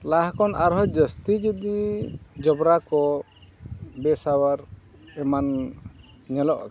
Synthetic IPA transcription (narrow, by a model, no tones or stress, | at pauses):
laɦkɔnaɾɦɔd͡ʒəst̪id͡ʒəd̪id͡ʒɔbɾakɔ | bɛsawaɾ | ɛman | ɲɛlɔʔ